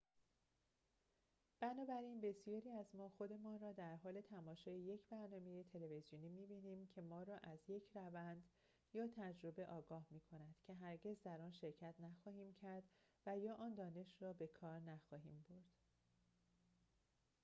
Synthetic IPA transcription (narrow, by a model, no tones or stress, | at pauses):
b̥ænɒːbæɾinbe̞sijɒːɾiːæzmɒːxod̪e̞mɒːnrɒːd̪æɾɦɒːle̞t̪ʰæmɒːʃɒːjeje̞cʰbæɾnɒːme̞je̞t̪ʰe̞leve̞zjoniːmiːbiːniːmcʰe̞mɒːɾɒːʔæzje̞cʰrævænd̪ | jɒːt̪ʰæd͡ʒɾo̞be̞ʔɒːɡɒːhmiːkʰo̞næd̪̥cʰe̞ɦæɾɟe̞zd̪æɾɒːnʃe̞ɾcʰæt̪ʰnæxɒːhiːmcʰæɾd̪væjɒːʔɒːnd̪ɒːne̞ʃɾɒːbe̞kʰɒːɾnæxɒːɦiːmboɾd̪̥